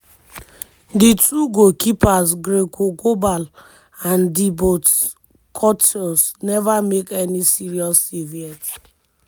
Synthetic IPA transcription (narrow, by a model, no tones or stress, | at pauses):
ditʰuɡokipasɡɾekoɡobal | ãndibot | kʰɔtʰɔsnɛvamekɛnisiɾiɔsːiviɛt